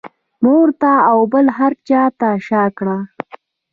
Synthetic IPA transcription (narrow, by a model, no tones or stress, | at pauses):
moɾt̪aːwbəlɦaɾt͡ʃɑt̪aʃɑkɽa